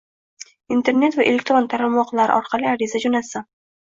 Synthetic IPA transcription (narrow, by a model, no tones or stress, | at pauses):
int̪e̞ɾne̞t̪vaʔelʲek̚t̪ɾo̞nt̪ʰaɾalmɒqlˠaɾɪ̰ʔɒɾqʰɑlˠɪaɾɪzad͡ʒonasɪ